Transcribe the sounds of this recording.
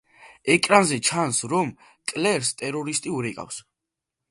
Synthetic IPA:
ɛkʼɾanzɛt͡ʃʰansɾɔm | kʼlɛɾst̪ʼɛɾɔɾist̪ʼiuɾɛkʼa̰fs

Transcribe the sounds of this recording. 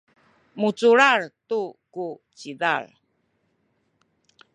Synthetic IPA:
mut͡suɾartukut͡ɕidaɭ

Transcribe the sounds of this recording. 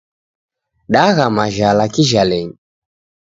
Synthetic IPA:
ɗaɣamaʒalakiʒalɛɲi

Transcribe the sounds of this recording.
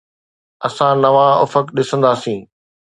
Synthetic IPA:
ɐsãnɐʋãʊ̰fəkɗɪsə̃nd̪aːsĩː

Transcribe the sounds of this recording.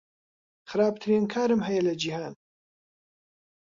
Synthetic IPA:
xɨɾaːbt̪ʰɨɾinkʰaːɾɨmɦɐjɐlɐd͡ʒihaːn

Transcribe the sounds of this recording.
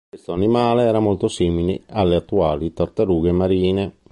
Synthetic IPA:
kwest̪oanimaːleɛːɾamolt̪osiːmilḛalːeat̪ːuaːlit̪aɾt̪aɾuːɡemaɾiːne

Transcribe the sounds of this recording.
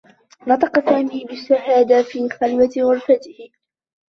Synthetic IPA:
nɑt̪ˤɑqɑsaːmiːbɪʃːahaːd̪afiːxalwawʊɾˤfat̪ɪhɪ

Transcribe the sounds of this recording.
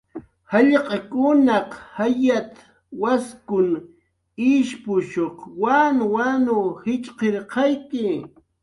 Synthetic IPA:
hɑʎqɑkʊnɑqhajat̪ | waskʊn | ɪʃpʊʃoχwanwanʊhɪt͡ʃʼqeɾqɑjkɪ

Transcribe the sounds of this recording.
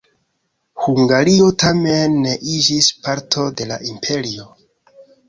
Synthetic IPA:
huŋɡaɾio̞tʰamenːe̞ʔid͡ʒispaɾtʰo̞de̞la̰ʔimpʰe̞ɾio̞

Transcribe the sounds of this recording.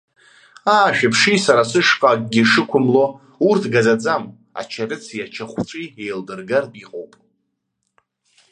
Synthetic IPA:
aːʃᶣapʰʂisaɾasɨʂqʼakʼɡʲiʂɨkʷʰʊmlo̞ | urtʰɡad͡zad͡zam | a̰t͡ʃʰarɨt͡sʰijat͡ʃʰaχʷt͡ʃʷʼiejldɨrɡarbiqʼowpʼ

